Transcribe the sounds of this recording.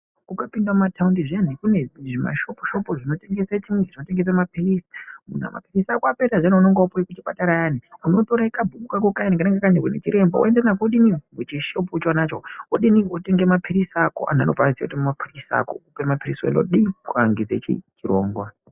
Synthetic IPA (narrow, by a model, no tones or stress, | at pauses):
kukapindwamatʰaundiʐianikuneʐima̰ʃopo̥ʃopoʐino̞teŋɡesat͡ʃimeʐino̞te̞ŋɡes̬amapirisi̥mun̤a̰ma̰pirisakoapeɾaʐaneunoŋɡewapujikut͡ʃipataɾajaniuno̞toɾaikabʱuɓukakokajanikanaŋɡakaɲekunḛt͡ʃiɾe̞mba̰wo̰enderanakoɗinimut͡ʃiʃop̬ut͡ʃwanat͡ʃowoɗiniote̞ŋɡemapʰirisakoʔa̰na̰nopaisakutimmapʰirisa̰koupemapirisḛno̰ɗikwaŋɡed͡zḛt͡ʃḭt͡ʃiɾo̰ːŋɡwa